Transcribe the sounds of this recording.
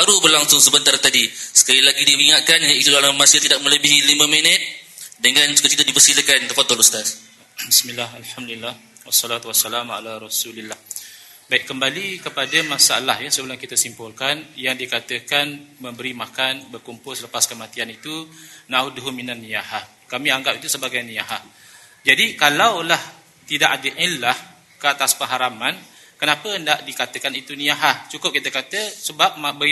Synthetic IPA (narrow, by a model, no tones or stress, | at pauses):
baɾubərlaŋsʊŋsəbənt̪aɾat̪adisə̥kalilaɡidiwiŋat̪̚kanjait̪udalamasət̪idaʔk̚mə̃ləbiɦilimə̃minət̪̚dəŋãnsu̥kakit̪adipərsiləkant̪əfat̪ɔlust̪as | bismilːahalħamd̪ulilːah | wasːɔlat̪uwasːalama̰laɾɔsulilːah | baiʔkːəmbalikəpadamasaalahjasəbəlaŋkit̪asimpʊlkanjaŋdikat̪əkanmə̃mbəɾimakanbərkumpʊlsələpaskəmat̪ianit̪unauduɦuminanːijahah | kamĩaŋɡap̚it̪usəbaɡajniaɦah | d͡ʒadikalawlah | t̪idaʔadəʔilːah | kəat̪aspəŋɦaɾaman | kənapəəndaʔdikat̪əkanit̪uniaɦaht͡ʃukʊp̚kit̪əkat̪əsəbap̚mabə